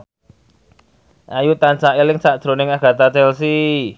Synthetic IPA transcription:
ʔajut̪ansaʔelɪŋsaʔd̥ʒ̥ɾo̤nɪŋaɡ̥ä̤t̪at͡ʃɛlsi

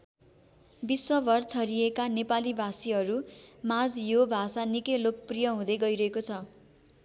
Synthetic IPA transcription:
biswʌbʱʌrt͡sʰʌɾiekanepalibʱasiɦʌɾumad͡zjobʱasanikʌjlok̚prijʌɦũd̪ʌjɡʌiɾʌɦekot͡sʰʌ

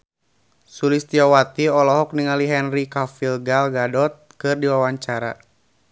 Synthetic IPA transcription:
sulist̪iawat̪iɔlɔɦɔk̚niŋaliɦɛnrikafilɡalɡadɔt̪̚kɨrdiwawaɲt͡ʃaɾa̰

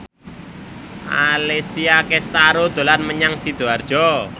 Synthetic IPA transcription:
ʔa̰lesiakest̪aɾod̪̥o̤lanməɲaŋsid̪̥o̤ard̥ʒ̥ɔ

